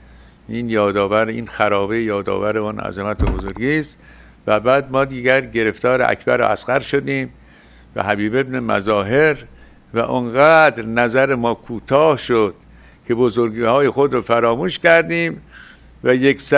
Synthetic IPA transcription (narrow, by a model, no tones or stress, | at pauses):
ʔiːnjɒːd̪ɒːvæɾḭːnxæɾɒːbejjɒːd̪ɒ̰ːvæɾeunʔæ̰zemæt̪ʰobozoɾɡiːst̪ | væbæːd̪̚mɒːd̪iːɡæɾɟe̞ɾe̞ft̪ɒːɾeʔæ̰kʰbæɾḛæ̰sɡæɾʃod̪iːm | væ̰ɦæbiːbe̞bnemæ̰zɒːɦe̞ɾ | væ̰ʔonɡæːd̪ɾnæzæɾemɒːkʰuːt̪ʰɒːhʃod̪̥̚ | kʰe̞bozoɾɡiːhɒːjexo̞d̪ɾɒːfæɾɒːmuːʃkæɾd̪iːm | væjeks